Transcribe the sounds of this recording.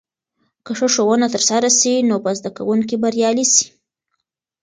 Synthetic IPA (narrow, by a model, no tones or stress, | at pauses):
kəʂəʂowənat̪əɾsaɾasinopəzd̪aka̰wuŋkibaɾjɑlisi̥